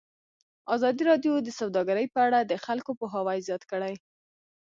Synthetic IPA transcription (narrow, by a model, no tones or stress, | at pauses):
ɑzɑd̪iɾɑdjod̪əsawd̪ɑɡaɾəjpəaɽad̪əxalkopoɦawajzjɑt̪kəɽaj